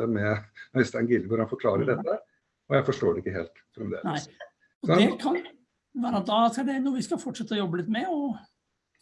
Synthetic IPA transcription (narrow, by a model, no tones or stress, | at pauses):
əmɛnæɪst̪æŋɡɪləbɔɾhɑnfɔɾkʰlɑːɾəɖɛt̪ːə | ɔjæɪfɔʂʈoːɖɛɪkːəɦḛːlt̪fɾɛmd̪ḛːlaɪ | ɔd̪ɛkʰɑn | ʋæːɾəd̪ɑɑt̪ːæɖɛnuːəʋɪskɑfɔʈʂɛt̪ːəɔjɔbːəlɪt̪mɛɔ